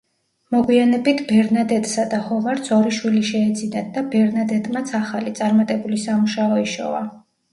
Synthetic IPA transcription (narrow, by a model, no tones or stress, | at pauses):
mɔɡwianɛbit̪ʰbɛɾnad̪ɛd̪sad̪ahɔvaɾt̪sɔɾiʃwiliʃɛːd̪zinad̪abɛɾnad̪ɛd̪mat̪sʰaχalit̪sʼaɾmat̪ʼɛbulisamuʃaɔiʃɔ̰va̰